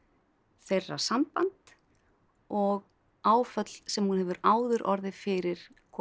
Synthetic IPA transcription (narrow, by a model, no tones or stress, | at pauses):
θejrːa̰sampant̪ | ɔɣ | aːwfœt̪lsɛmhunhɛvʏɾaːwðʏɾʔɔɾðɪfɪɾɪɾ̥ | kʰɔ